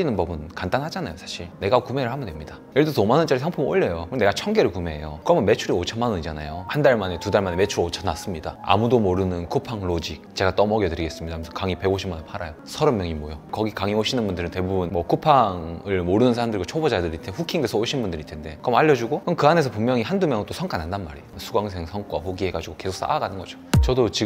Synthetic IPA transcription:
inɯnbʌbɯnkand͈anhad͡ʑanajosʰaɕʰiɭne̞ɡakume̞ɾɯɭhamndwemɲidajʌɭdotomanɯnt͡ɕ͈aɾisʰaŋpʰumo̰ɭːejokɯne̞ɡat͡ɕʰʌŋɡeɾɯɭkume̞ḛjokɯɾʌmɯnme̞t͡ɕʰuɾiot͡ɕʰʌnmanɯɲid͡ʑana̰johandaɭmane̞tudaɭmane̞me̞t͡ɕʰuɾot͡ɕʰʌnas͈ɯmɲida̰a̰mudomoɾɯnɯnkʰopʰaŋɭod͡ʑik̚t͡ɕe̞ɡat͈ʌmʌɡjʌtɯɾiɡe̞s͈ɯmɲidamʰsʰkaŋipe̞ɡoɕʰimːanɯɭpʰaɾa̰josʰʌɾʌmjʌŋimwʌjokʌɡikaŋioɕʰinɯnbundɯɾɯnte̞bubunmwʌkʰopʰaŋɯɭmoɾɯnɯnsʰaɾamdɯɾiɡot͡ɕʰobod͡ʑadɯɾitʰeɸukʰiŋdesʰʌoɕʰinbundɯɾitʰende̞kɯɾʌmaʎjːʌd͡ʑuɡokɯmkɯane̞sʰʌpummjʌŋihandumjʌŋɯnt͈osʰʌŋkʰanandanma̰ɾisʰuɡwaŋs̬ʰe̞ŋsʰʌŋk͈wa̰ɸoɡiɦe̞ɡad͡ʑiɡoke̞sʰok̚s͈a̰aɡanɯnɡʌd͡ʑot͡ɕʌdot͡ɕi

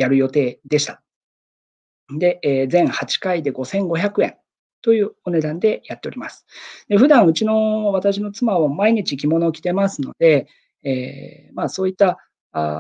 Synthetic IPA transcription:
jaɾɯ̟jo̞t̪e̞ːd̪e̞ɕi̥t̪ḁ | d̪e̞ːd͡zẽ̞ɰ̃hat͡ɕi̥kaid̪e̞ɡo̞sẽ̞ŋɡo̞çakɯ̟ẽ̞̰n | t̪o̞jɯ̟ːo̞ne̞d̪ãnd̪e̞jat̪ːe̞o̞ɾʲimasɨ̥d̪̥e̞ɸɯ̟d̪ãɰ̃ɯ̟t͡ɕino̞β̞at̪aɕ̬ino̞t͡sɨmaβamaiɲ̟it͡ɕikʲimo̞no̞kʲi̥t̪e̞masɨno̞̰d̪̥e̞ | eː | maso̞ːit̪ːa

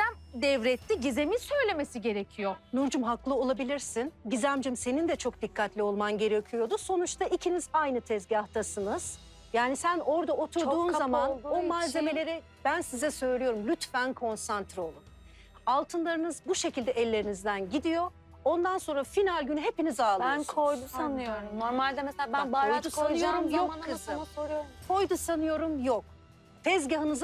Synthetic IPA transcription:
ænd̪ɛvɾɛt̪ʰːiɟizemisø̞jlʲemesiɟe̞ɾecʰijonuɾd͡ʒumɦaklˠɯo̞lˠabilʲiɾsinɟizæmd͡ʒimse̞nind̪ɛt͡ʃʰo̞kd̪̥ikʰːat̪lʲio̞lˠmanɟe̞ɾecʰijo̞d̪uso̞nut͡ʃt̪ʰaicʰinizajnɯt̪ʰɛzɟaht̪ʰasɯnɯz̥ | jaːnisæno̞ɾd̪aʔo̞t̪ʰuɾuːnzamanomaːze̞me̞lʲe̞ɾɛ | b̥ænsizɛsø̞jlʲejo̞ɾumlʲyt̪fænkʰo̞nsant̪ʰɾio̞lˠum | alˠt̪ʰɯnlˠaɾɯnɯzbuʃe̞cʰilʲd̪ɛɛlʲːe̞ɾinizd̪ænɟid̪ijo̞ | o̞nd̪anso̞nɾafinalʲɟynyɦe̞pinizaːlˠnkʰojd̪uanɯjoɾuoɾmalʲd̪ɛmɛsab̪bajd̪usaɯo̞ɾumjokːɯzɯsoɾokʰo̞jd̪usanɯjo̞ɾumjok̚ | t̪ʰɛzɟaɦɯnɯz

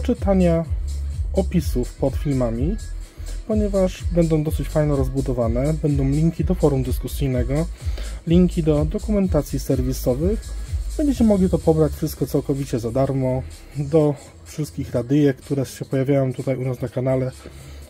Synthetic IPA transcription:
ɔt͡ʂɘt̪aɲa | ɔpʲisufpɔt̪fʲilmamʲi | pɔɲɛvaʂbɛnd̪ɔ̃w̃d̪ɔsɘt͡ɕfajnɛɾɔzbud̪ɔvanɛbɛnd̪ɔ̃w̃lʲiŋkʲid̪ɔfɔɾumd̪ɘskusijnɛɡɔlʲiŋkʲid̪ɔd̪ɔkumɛnt̪at̪sʲjisɛɾvʲisɔvɘxbɛɲd͡ʑɛt͡ɕɛmɔɡlʲit̪ɔpɔbɾat͡ɕfʂɘst̪̚kɔt̪sawkɔvʲit͡ɕɛzad̪aɾmɔ | d̪ɔ | fʂɛst̪̚kʲixɾad̪ɘjɛkt̪uɾɛɕɛpɔjavʲjajɔ̃w̃t̪ut̪ajunasnakanalɛ

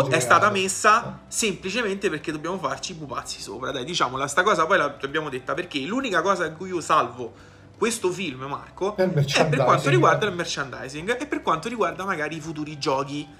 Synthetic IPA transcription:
ɛst̪aːt̪amesːasemplit͡ʃement̪eperk̟ed̪obːjaːmofart͡ʃibupa̰t̪sːi̥so̰ːpɾa̰d̪ajd̪it͡ʃa̰ːmolast̪akɔːzapɔjlaabːjaːmod̪et̪ːaperk̟eluːnikakɔːzakuiːosalvo | kwest̪ofilmma̰rkoɛpperkwant̪oɾiɡward̪almert͡ʃand̪a̰jziŋɡepːerkwant̪oɾiɡward̪amaɡaːɾiːfut̪̬uːɾid͡ʒɔːk̬i

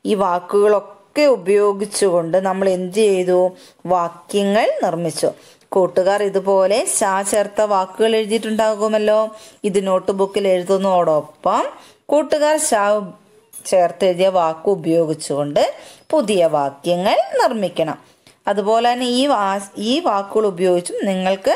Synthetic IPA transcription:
iːʋaːkːuɣɐɭo̞kːe̞ubɐjo̞ːɡit͡ɕːuɣo̞ɳɖɨnɐmːɐɭe̞ndit͡ɕejðu | ʋaːkjɐŋːɐɭnirmit͡ɕːṵ | kuːʈːuɣaːriðupo̞ːle̞ɕaːt͡ɕe̞ːrt̪ːɐʋaːkːuɣɐɭeɻuðiʈːuɳɖaːɣuɣɐmɐlːo̞ːiðɨno̞ːʈːɨbukːileɻuðonːoːɽopːɐm | kuːʈːuɣaːrɕaː | t͡ɕe̞ːrt̪ːeɻðijɐʋaːkːɨːbɐjo̞ːɡit͡ɕːuɣo̞ɳɖɨpuðijɐʋaːkjɐŋːɐɭnirmikʲːɐɳɐ̰m | ɐðubo̞ːleaneiːaiːʋaːkːuɣɐɭubɐjo̞ːɡit͡ɕːumniŋːɐɭkɨ

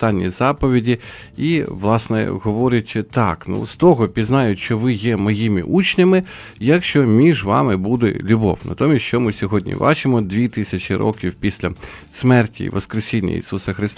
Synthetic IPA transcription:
t̪ɑnʲːḭzɑpɔʋʲidʲi | iʋlˠɑsnɛ̰ɦɔʋɔɾʲʊtʲt̪ɑknṵst̪ɔɦɔpʲiznɑjʊtʲʃt͡ʃɔʋɪjɛmɔjimʲḭʔut͡ʃnʲɪmɪ | jɐkʃt͡ʃɔmʲiʒʋɑ̰mɪbud̪ḛlʲʊbɔ̰wnɐ̰t̪ɔmʲisʲt͡ʃɔmɪsʲɔɦɔdʲnʲḭbɑ̰t͡ʃɪmɔd̪ʋʲit̪ɪsʲɐt͡ʃʲiɾɔ̰kʲiwpʲisʲlʲɐ | smɛrtʲḭḭʋɐskɾesʲinʲːɐ̰ḭsusɐxɾɪst̪

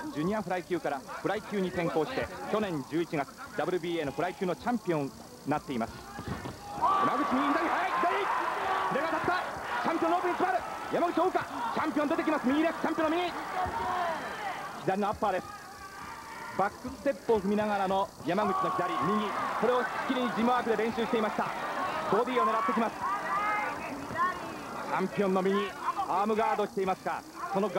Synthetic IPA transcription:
d͡ʑɨːɲ̟iaɸɯ̟ɾaikʲɨːkaɾaɸɯ̟ɾaikʲɨːɲ̟it̪ẽ̞ŋko̞ːɕi̥t̪e̞kʲo̞nẽ̞ɲd͡ʑɨːit͡ɕiɡat͡sɨ̥d̪abɯ̟ɾɯ̟bʲiːeːno̞ɸɯɾaikʲɨːno̞t͡ɕãmpʲiõ̞n | nat̪ːe̞imasɨ̥ | ja̰maɡɯ̟t͡ɕimʲiɲid̪aɲʲiɦaikʲid̪aɾʲikoɾeɡat̪at̪ːat͡ɕãmpʲijonːoːpɯ̟ɲːikʲimaɾɯ̟jamaɡɯ̟t͡ɕioːkat͡ɕãmpʲijõnd̪et̪ek̬ʲimasɨmiɲʲid̪e̞sɨ̥t͡ɕãmpijonomiɲi | kʲid̪aɾʲino̞apːaːd̪e̞sɨ̥ | bakːɯɨ̥t̪e̞pːo̞ɸɯ̟mʲinaɡaɾano̞ | jamaɡɯ̟t͡ɕino̞kʲid̪aɾʲimʲiɲ̟iso̞ɾe̞osi̥kʲːiɾʲiɲ̟id͡ʑimaakɯ̟d̪e̞ɾẽ̞ɕɨːɕit̪eimaɕi̥t̪a̰bo̞ːd̪ʲiːo̞neɾat̪ːe̞kʲimasɨ̥ | t͡ɕãmpʲio̞nːo̞mʲiɲiaːmɯ̟ɡaːd̪o̞ɕi̥t̪e̞imasɨ̥ka̰ | so̞noɡ

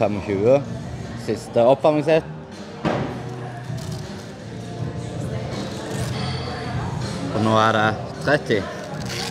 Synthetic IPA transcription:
fɛmɔçʉːəsɪst̪əɔpɑɾmɪŋsɛt̪ | fɔnoːæɖet̪ʰɾɛt̪ːɪ

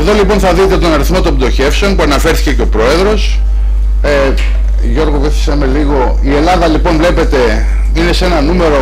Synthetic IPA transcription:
eðo̞lipo̞nθɐðit̪et̪o̞nɐɾiθmo̞t̪o̞mbd̪oçe̞fseo̞npuɐnɐfe̞ɾθi̥ce̞ceo̞pɾo̞e̞ðɾo̞s | ʝo̞ɾɣoveθi̥sɐmeliɣo̞ | ie̞lɐðɐlipo̞nvle̞pe̞t̪e̞ | ine̞se̞nɐnume̞ɾo̞

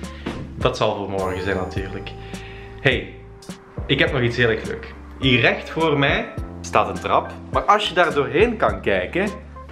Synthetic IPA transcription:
dɑtsɑlˠvoːrmɔrɣəzɛjnːatyːrlək | hej | ɪkɦɛpnɔxitsɦeːlɛxlø̰ːk | irɛxtfoːrmɛjstaːtəntrɑpmaːrɑlˠsjədaːrdoːrɦeːnkɑnkɛjkə

